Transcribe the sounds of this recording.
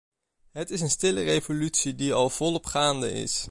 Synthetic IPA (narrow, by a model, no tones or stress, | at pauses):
ɦətɪs̬ənstɪlərejvolytsidiɑlˠv̥ɔlˠɔpχaːndə̰ɪ̰s